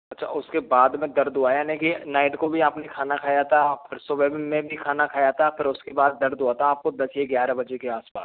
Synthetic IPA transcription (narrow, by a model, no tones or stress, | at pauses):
ɐtːʃʰa̰ʊskebaːd̪mẽd̪ɐɾd̪ʊaːjanɛkinaːɪʈkobʱiaːpnekʰaːnakʰaːjat̪ʰapʰɪɾsoʋeːbmẽbʱikʰaːnakʰaːjat̪ʰapʰɪɾʊskebaːd̪ːɐɾd̪uaːt̪ʰaaːp̚kod̪ɐseɡjaːɾabɐd͡ʒekeaːspa̰ːs